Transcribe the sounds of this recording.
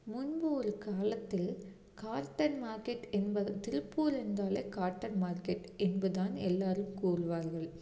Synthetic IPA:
mʊnbɯɔɾɯkaːlɐt̪ːɪl | kaːɾʈɐɾmaːɾkɛʈɛnbɐt̪ɪɾpːuːɾɯnd̪aːleːkaːɾʈːɐɾmaːɾkɛʈɛnbɐðaːnɛlːaːɾɯmkuːrɯʋaːɾɣɐɭ

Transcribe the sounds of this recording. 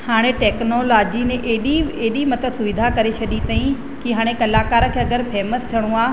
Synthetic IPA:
haːɽ̃ẽʈeːknolaːd͡ʑinẽʔeːɗieɦɗimɐt̪əsʊʋɪd̪ʱakɐɾet͡ɕʰɐɗit̪aːĩ | kiɦaːɽ̃ẽkɐlaːkaːɾəkʰeːɐɡəɾpʰɛːməst̪ʰijəɽ̃ũaː

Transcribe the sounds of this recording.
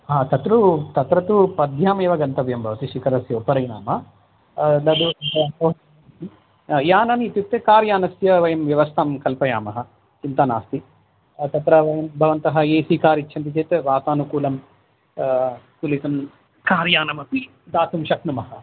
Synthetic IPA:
ɦaːt̪ɐt̪ɾut̪ɐt̪ɾɐt̪upɐd̪ʱjaːmeːʋɐɡɐnt̪ɐʋjɐmbʱɐʋɐt̪iʃikɐɾɐsjoːpɐɾɐjna̰ːmɐ | lɐd̪uɐɐɐ | i | jaːnɐnit̪jut̪ːekaːɾjaːnɐsjɐʋɐjɐmʋjɐʋɐst̪ʰaːmkɐlpɐjaːmɐɦɐ̆ | t͡ʃint̪anaːst̪i | t̪ɐt̪ɾɐʋɐjɐmbʱɐʋɐnt̪ɐɦɐ̆eːsikaːɾitːt͡ʃʰɐnt̪it͡ʃeːt̪ʋaːt̪aːnukuːlɐm | t̪ulit̪ɐm | kaːɾjaːnɐmɐpi | d̪aːt̪umʃɐknumɐhɐ

